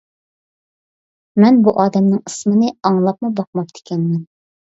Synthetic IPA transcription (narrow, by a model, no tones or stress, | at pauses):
mɛnbuʔɑːd̪ɛmnɨŋəsmɨnɨɑŋlˠɑp̚mubɑq̚mɑp̚t̪ɪ̥kʲɛnmɛn